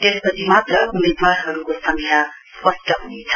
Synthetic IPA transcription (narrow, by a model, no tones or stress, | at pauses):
t̪espʌt͡sʰimat̪rʌumed̪waɾɦʌɾukosʌŋkʰja | spʌsʈʌɦunit͡sʰʌ̥